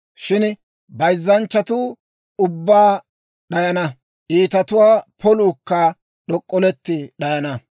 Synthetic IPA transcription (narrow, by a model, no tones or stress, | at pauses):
ʃɪn | bɐjzːɐnt͡ʃːɐt̪uː | ʊbːaː | ɗɐjɐnɐ | ʔiːt̪ɐt̪ʊwaːpʰɔluːkːa | ɗɔkʼːɔlɛt̪ːɪɗɐjɐnɐ